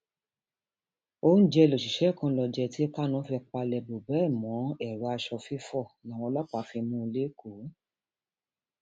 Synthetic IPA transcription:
o˦n̩˦d͡ʒɛ˧lo˨ʃi˨ʃɛ˨˦˨kã˧lɔ˧d͡ʒɛ˧˨ti˦ɛ˧ka˦nã˦fɛ˧k͡pa˧lɛ˧˨bo˨bɛ˨˦˨mɔ̃˨˦ɛ˦˨ɾɔ˨˦a˧ʃɔ˧fi˦fɔ˦˨n˨wɔ̃˧lɔ˦k͡pa˨˦fi˧mũ˧˦˧le˦ko˨˦

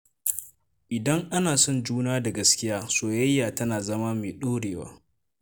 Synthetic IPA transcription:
ʔɪ˨dɐ˦ŋʔa˦naː˨sɔ˦˨nd͡ʒuː˦naː˦da˨ɡɐ˦skʲɪ˦jaː˦soː˨jɐ˦jːaː˨tɐ˦naː˨zɐ˦ma˦meː˨ɗoː˦ɽeː˨wa̰ː˦

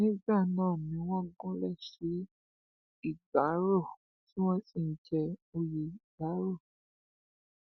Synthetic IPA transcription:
nĩ˦ba˦˨nãː˦˨nĩ˨˦wɔ̃˦ɡɔ̃˦lɛ˦˨ʃe˨˦ | i˦˨ɡ͡ba˨˦ɾo˦˨ | ti˦wɔ̃˦si˦˨n̩˨t͡ʃɛ˧o˧je˨i˨ɡ͡ba˨˦ɾo˦˨

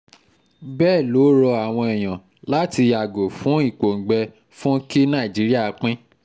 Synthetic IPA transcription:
bɛː˦˨lo˨˦ɾɔ˧a˨w̃ɔ̃˧ɛ˨j̃ã˨ | la˨˦ti˧ja˨ɡo˨fũ˨˦i˦˨k͡po˨ŋ̩˨ɡ͡bɛ˧ | fũ˦ki˦nã˦˨d͡ʒi˨˦ɾi˦a˦˨˦k͡pĩ˦

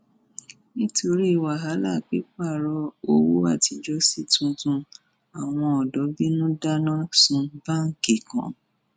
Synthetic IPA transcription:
nĩ˦to˧ɾi˦i˦˨wa˨ɦa˨˦la˦˨k͡pe˦k͡pa˦˨ɾɔ˧o˦wo˦a˦˨ti˧d͡ʒɔ˦si˦˨tũ˧tũ˧ | a˨w̃ɔ̃˧ɔ˨dɔ˨˦bi˦nũ˦da˦nã˦sũ˧ba˦ŋ̩˨ke˨kã̰˨˦

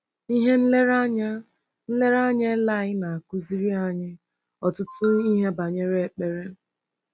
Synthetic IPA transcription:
i˦ɦe˦n̩˦le˦ɾa˦ɲa˦ | n̩˦le˦ɾa˦ɲa˦la˦˨ɣɪ˦na˨a˨ku˦zi˦ɾi˦a˨ɲɪ˦ | ɔ˨tʊ˦tʊ˦i˦ɦe˦ba˨ɲe˦ɾe˨e˨k͡pe˨ɾe˦

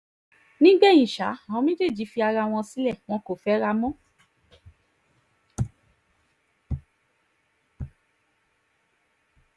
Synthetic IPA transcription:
nĩ˦ɡ͡bɛ˦˨ĩ˨ʃa˨˦ã˨ɔ̃˧˦mĩ˦d͡ʒe˦˨d͡ʒi˨˦fi˧a˧ɾa˧w̃ɔ̃˧si˦lɛ˦˨w̃ɔ̃˧ko˨fɛ˨˦ɾa˧mɔ̃˦

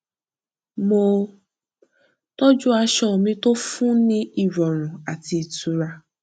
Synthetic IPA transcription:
mo˧ | to˦d͡ʒu˦a˧ʃɔ˨mĩ˧˦to˦fũ˦nĩ˦i˦˨ɾɔ˨ɾ̃ũ˨a˨ti˧˨tu˧ɾa˧

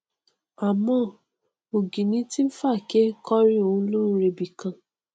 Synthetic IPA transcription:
a˨mɔ̃˦˨ | o˨ɡi˨nĩ˦ti˦m̩˦fa˦˨ke˦kɔ˦ɾi˦o˨ũ˦lo˦ɾe˨bi˨kã˨

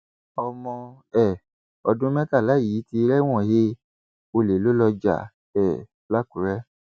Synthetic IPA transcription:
ɔ˧mɔ̃˧ | ɛ˦˨ | ɔ˧dũ˦mɛ̃˦ka˦˨la˨˦˨ji˨˦ti˧ɾɛ˦w̃ɔ̃˦˨he˦ | o˧le˨lo˦lɔ˧d͡ʒa̰˦˨ | ɛ˦˨ | la˦ku˨˦ɾɛ˦

